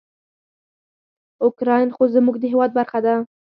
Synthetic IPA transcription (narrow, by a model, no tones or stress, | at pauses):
ʊkɾɑjnxozmuɡd̪əɦewɑd̪̚baɾxad̪a